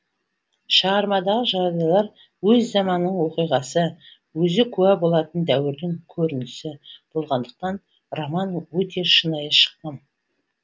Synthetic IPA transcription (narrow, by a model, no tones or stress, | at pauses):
ʃəɾmɑd̪ɑʁəʒɑɾbijɑlˠɑɾ | wɵzːɑmɑnːəɴwo̞qijʁɑsə | wɵzɪkʲʰʉæbo̞lˠɑt̪ənd̪æwɪɾd̪ɪŋkʲʰɵɾɪnɪsɪb̥o̞lˠʁɑnd̪əq̚t̪ɑn | romɑnwɵt̪e̞ʃənɑjəʃə̥q̚t̪əm